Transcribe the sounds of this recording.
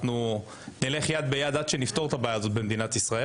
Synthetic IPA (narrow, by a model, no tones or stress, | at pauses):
nu | nile̞χjad̪̚bejad̪ad̪ʃenift̪o̞t̪abaːjaːzo̞t̪̚be̞md̪inat̪isʁae